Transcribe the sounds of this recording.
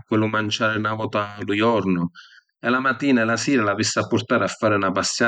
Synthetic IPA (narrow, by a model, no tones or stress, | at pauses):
kːʊlumant͡ʃaːɾɪnavɔt̪alujɔɾnʊ | ɛlamat̪iːnaɛlasiːɾalavisːapːʊrt̪aːɾɪafːaːɾɪunapasːja